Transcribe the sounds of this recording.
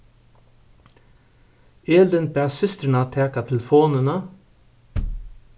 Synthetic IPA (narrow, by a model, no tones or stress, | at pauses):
eːld̪ənpæːsʏst̪ɾɪnat̪ʰɛːkat̪ʰɪlfoːnənə